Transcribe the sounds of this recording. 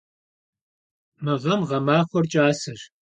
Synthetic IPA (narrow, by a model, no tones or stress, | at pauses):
mɨʁɐmʁɐmaːχʷɔrt͡ʃʼaːsɨr